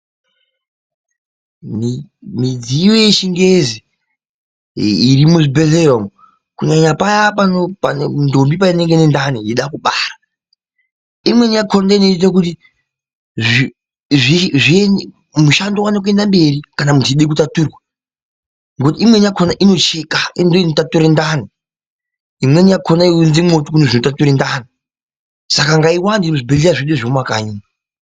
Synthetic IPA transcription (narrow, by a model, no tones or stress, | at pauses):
mmid͡ziwojeʃiŋɡezi | iɾimuʐibeɮerom | kuɲaɲapajapanopanndombipaine̞ŋɡenendanijeɗakuɓaːɾa | imwe̞ɲakʰondainotit̬ak̬uti | ʐi | iʐien | muʃandowanok̬ue̞ndambe̞ɾikanamuntʰuiɗekutatuːrwa | ŋɡot̬iːmwe̞nijakʰonaʔino̞t͡ʃekaindoinotatuɾendaːni | imwenijakʰonaiunzemotukuneʐinotatuɾendaːni | sakaŋɡaiwandioʐibeɮeaʐiɗeʐomwakaiːna